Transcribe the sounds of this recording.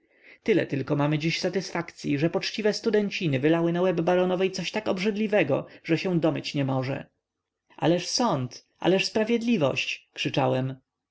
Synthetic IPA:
t̪ɘlɛ̰t̪ɘlkɔmamɘd͡ʑiɕsat̪ɘsfakt̪sʲjiʐɛpɔt͡ʂt͡ɕivɛst̪ud̪ɛɲt͡ɕinɘvɘlawɘnawɛbːaɾɔnɔvɛjt̪sɔɕt̪akɔbʐɘd̪lʲivɛɡɔ̰ʐɛɕɛ̃w̃d̪ɔmɘt͡ɕɲɛmɔʐɛ̰ | ʔa̰lɛʂsɔnt̪ʔa̰lɛʂspɾavʲjɛd̪lʲivɔ̰ɕt͡ɕkʂɘt͡ʂawɛm

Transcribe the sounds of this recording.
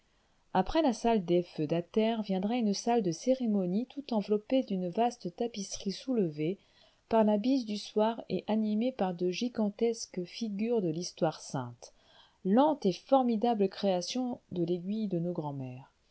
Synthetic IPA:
apχɛlasald̪efød̪at̪ɛʁvjɛ̃d̪ʁɛynsald̪əseʁemɔnit̪ut̪ɑ̃vlɔped̪ynvast̪ət̪apisχisuləve | paʁlabizd̪yswaʁḛʔanimepaʁd̪əʒiɡɑ̃t̪ɛskfiɡʲyʁd̪əlist̪waʁsɛ̰̃t̪ | lɑ̃t̪efɔʁmid̪abləkχeasjɔ̃d̪əleɡʲɥijd̪ənoɡʁɑ̃mɛːʁ

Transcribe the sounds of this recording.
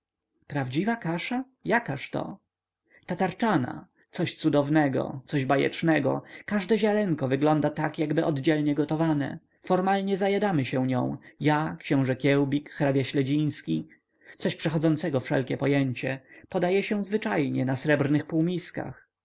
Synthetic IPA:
pɾavd͡ʑivakaʂa | jakaʂt̪ɔ̰ | t̪at̪aɾt͡ʂana̰ | t̪sɔɕt̪sud̪ɔvnɛɡɔ̰t̪sɔʑbajɛ̰t͡ʂnɛɡɔ̰kaʐd̪ɛʑalɛŋkɔvɘɡlɔnd̪at̪akjaɡbɘʔɔd̪d͡ʑɛlɲɛɡɔt̪ɔvanɛ̰ | fɔɾmalɲɛzajad̪amɘɕɛw̃ɲɔ̰̃w̃jakɕɛ̃w̃ʐɛkʲjɛwbʲikxɾabʲjaɕlɛd͡ʑij̃skʲi | t̪sɔɕpʂɛxɔd̪zɔnt̪sɛɡɔfʂɛ̰lkʲɛpɔjɛɲt͡ɕɛpɔd̪ajɛɕɛ̃zvɘt͡ʂajɲɛnasɾɛbɾnɘxpuwmʲiska̰x

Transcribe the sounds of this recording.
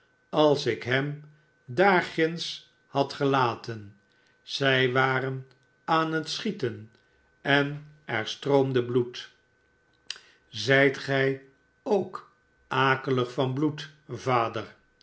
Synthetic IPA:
ɑlˠsɪkɦɛm | daːɹχɪns | hɑtχəlaːtən | z̥ɛjʋaːɾən | aːnɦətsχitən | ɛnɛɹstrowmdəblut | zɛjtχɛj | owk | ʔaːkələχfɑnblutvaːdər

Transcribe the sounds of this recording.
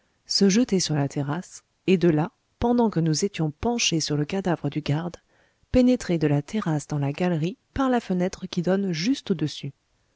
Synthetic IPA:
səʒət̪esyʁlat̪ʰeʁas | ed̪əla | pɑ̃d̪ɑ̃kənuzet̪jɔ̃pɑ̃ʃesyʁləkad̪avʁəd̪yɡaʁd̪ | penet̪χed̪əlat̪ʰeʁasd̪ɑ̃laɡalʁipaʁlafənɛt̪χəkʲid̪ɔnʒyst̪od̪əsy

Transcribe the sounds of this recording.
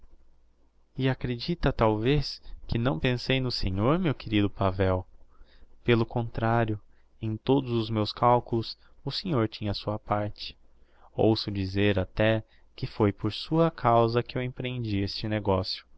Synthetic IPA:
ɪakɾed͡ʒit̪ɐt̪awveskʰɪnɐ̃w̃pẽsejnʊsẽɲoɾmewkeɾid̪ʊpavɛw | pelʊkõnt̪ɾaɾjʊ | ẽj̃t̪od̪ʊzʊzmewskawkʊlʊsʊsẽɲoɾt͡ʃĩɲɐsuɐpaɾt͡ʃɪ̥ | o̰wsʊd͡ʒizeɾat̪ɛ | kɪfojpoɾsuɐkʰawzɐkɪewẽpɾẽnd͡ʒiest͡ʃɪneɡɔsjʊ̥

